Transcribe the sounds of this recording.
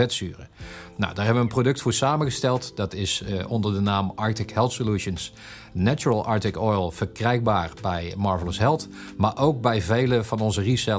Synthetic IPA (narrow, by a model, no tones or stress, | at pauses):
ɛtsyːrəna̰wdaːɹɦɛbəʋənprodɵk̚tfʊːɹsaːmənɣəstɛlˠtdɑtɪsɔndəɹdənaːmɑɹtɪkhɛlˠtsoluʃəns | nat͡ʃuɹəlˠʔɑɹtɪkɔjlˠv̥əɹkrɛjɡ̚baːɹbɛjmɑɹvələsɦɛlˠt | maːɹʔowk̚bɛjvejləvɑnɔnzərisɛ